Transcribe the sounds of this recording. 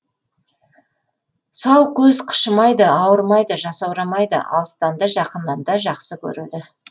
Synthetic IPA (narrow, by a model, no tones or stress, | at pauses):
sɑwkʲʰɵzqʰə̥ʃəmɑjd̪əɑwəɾmɑjd̪əʒɑsɑwɾɑmɑjd̪ə̰ʔɑ̰lˠst̪ɑnd̪əʒɑqənːɑnd̪ɑʒɑqsəkʲʰɵ̰ɾed̪ɪ